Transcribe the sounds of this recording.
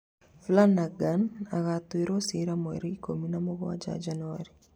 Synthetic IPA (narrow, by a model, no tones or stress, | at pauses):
flanaɡanaɣat̪uiɾosiɾamɔɛ̰ɾikominamɔɣɔwa̰d͡ʒa̰d͡ʒanaɾi